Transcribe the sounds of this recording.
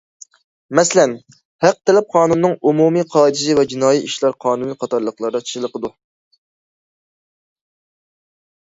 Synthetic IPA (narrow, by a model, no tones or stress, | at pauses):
mɛslɛn | hæq̚t̪ʰɛlɛp̚qʰɑːnunːɨŋumumiqʰɑːd̪ɪʒɪvɛd͡ʒinɑːjiiʃlˠɑɾqʰɑːnunɨqʰɑt̪ɑɾlˠəqlˠɑɾd̪ɑt͡ʃʰi̥ʃɨlˠəqəd̪u